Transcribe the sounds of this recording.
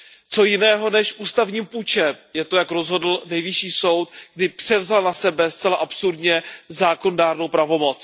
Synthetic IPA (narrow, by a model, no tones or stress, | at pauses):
t͡so̞jɪnɛːɦo̞nɛʃʔuːst̪avɲiːmpuːt͡ʃɛmjɛt̪o̞jakɾo̞zɦo̞dl̩nɛjvɪʃiːso̞wt̪ɡ̥̚dɪpr̝̥ɛvzalnasɛbɛst͡sɛlaʔapsuɾdɲɛzaːkonodaːɾno̞wpɾavo̞mo̞t͡s